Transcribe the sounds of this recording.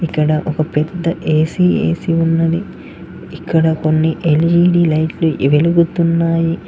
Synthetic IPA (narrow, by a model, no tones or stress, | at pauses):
ikːɐɽɐʔɔkɐpɛd̪ːɐʔeːsiːḛːsiunːɐd̪i | ikːɐɽɐkonːiʔeld͡ʒiːɖiːlɐjʈluʋeluɡut̪unːaːji